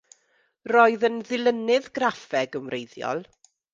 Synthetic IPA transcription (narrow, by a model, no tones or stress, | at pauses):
rɔːɨðənðɪlˠənɨðɡrafɛɡəmrejðjɔ̰lˠ